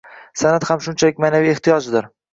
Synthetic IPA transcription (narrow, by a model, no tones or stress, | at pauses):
sanat̪hamʃʊnt͡ʃʰalɪkʲmanavieht̪ʰijɒd͡ʒɪd̪ɪɾ